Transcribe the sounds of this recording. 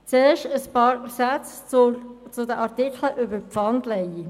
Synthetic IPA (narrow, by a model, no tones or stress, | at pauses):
t͡seːʃtəspɑːɾsæt͡s | t͡sʊdəʔɑʁtɪkləʔʏbəɾpfɑndlɛj